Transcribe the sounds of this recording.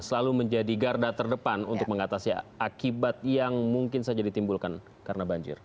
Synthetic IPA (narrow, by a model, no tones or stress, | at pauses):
səlaluməɲd͡ʒadiɡardat̪ərdəpanṵnt̪ʊk̚məŋat̪asiakibat̪̚jaŋmuŋkɪnsad͡ʒadit̪imbulkan | kaɾənabaɲd͡ʒɪ̰r